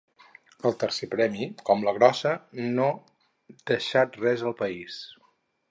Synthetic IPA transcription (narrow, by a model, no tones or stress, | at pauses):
əlˠt̪əɾsepɾɛmikɔmləɣɾɔsəno | d̪əʃat̪rɛzəlˠpəis